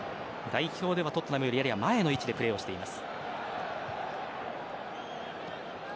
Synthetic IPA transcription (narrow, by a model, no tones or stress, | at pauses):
d̪aiço̞ːd̪e̞at̪o̞t̪ːonamɯjoɾijaɾiβamae̞no̞it͡ɕid̪e̞pɯ̟ɾe̞ːo̞ɕi̥t̪e̞imasɨ̥